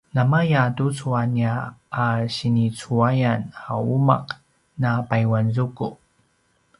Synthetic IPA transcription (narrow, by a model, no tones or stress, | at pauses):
namajatut͡suaniaaɕinit͡suajanauma̰q | napajwanzuku